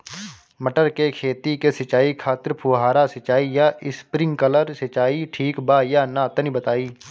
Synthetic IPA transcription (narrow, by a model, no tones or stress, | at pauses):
məʈəɾkekʰeːt̪ikesɐt͡ʃaːikʰaːt̪ɪɾpʰuːɦaːɾasɐt͡ʃaːijaɪspɾɪ̃ŋɡkələɾsɐt͡ʃaːiʈʰiːkbajanat̪ənibət̪aːiː